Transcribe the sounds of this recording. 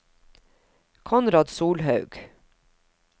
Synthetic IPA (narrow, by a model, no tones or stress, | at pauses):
kʰɔnɾɑːd̪suːlhɑʉɡ̥